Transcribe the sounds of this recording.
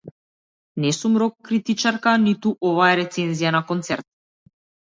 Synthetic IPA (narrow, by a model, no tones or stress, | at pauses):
nɛsumɾɔkːɾit̪it͡ʃaɾkanit̪uʔɔvaɛɾɛt̪sɛnzijanakɔnt̪sɛɾt̪̚